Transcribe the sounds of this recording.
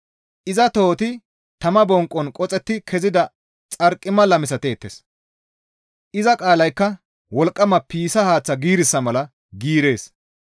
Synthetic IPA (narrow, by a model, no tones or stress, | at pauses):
ʔɪzɐt̪o̞ːt̪ɪ | t̪ɐmɐbɔŋkʼːɔnkʼɔt͡sʼɛt̪ːɪkʰɛzɪd̪ɐ | t͡sʼɐɾkʼːɪmːɐlɐmɪsɐt̪e̞ːt̪ːes | ʔɪzɐkʼaːlɐjkːɐ | wɔlkʼːɐmɐpiːsɐhaːt͡sːɐɡiːɾɪsːɐmɐlɐ | ɡiːɾe̞ːs